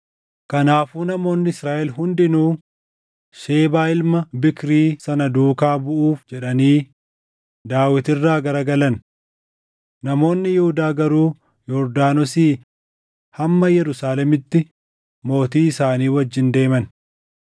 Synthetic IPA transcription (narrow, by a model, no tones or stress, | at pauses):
kɐnaːfuːnɐmo̞ːnːɪɪsɾaːʔɛlɦʊnd̪ɪnuː | ʃe̞ːbaːɪlmɐbɪkɾiːsɐnɐd̪uːkaːbʊʔuːfd͡ʒɛᶑɐniː | d̪aːwɪt̪ɪrːaːɡɐɾɐɡɐlɐn | nɐmo̞ːnːɪjɛhʊd̪aːɡɐɾuː | jɔɾd̪aːnɔsiː | hɐmːɐjɛɾʊsaːlɛmɪt̪ːɪ | mo̞ːt̪iːɪsaːniːwɐd͡ʒːɪnd̪e̞ːmɐn